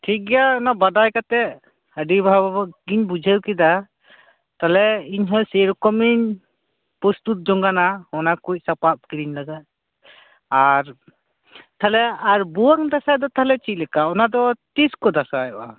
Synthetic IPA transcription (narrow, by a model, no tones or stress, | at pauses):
ʈʰik̚ɡɛjaɔnabad̪ajkat̪ɛʔ | əɖibʱababɔɡiɲbud͡ʒʱəwkid̪a | t̪alɛiɲɦɔjsɛɾɔkɔmiɲ | pɔst̪ut̪̚d͡ʒɔŋɡanahɔnakuc̚ˀsapap̚kiɾiɲlaɡat̪̚ | aɾ | t̪alɛaɾbuwaŋd̪asad̪ɔt̪aɦlɛt͡ʃic̚lɛkaɔnad̪ɔt̪iskɔd̪asajɔa